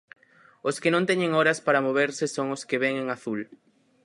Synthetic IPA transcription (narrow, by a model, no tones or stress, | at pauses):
oskɪnõnt̪eɲẽŋoɾɐspaɾɐmoβeɾsɪsoŋoskeβeŋeŋaθul